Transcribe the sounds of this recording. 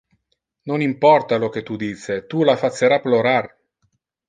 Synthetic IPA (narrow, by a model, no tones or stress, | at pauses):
nonimpɔrt̪alok̟et̪ud̪iːset̪ulafat͡ʃːeɾapːloɾar